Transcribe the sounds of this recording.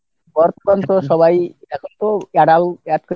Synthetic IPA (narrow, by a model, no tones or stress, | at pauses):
bɔɾt̪okɔnt̪oʃɔβajɛkʰont̪oɛɽalɛt̪ko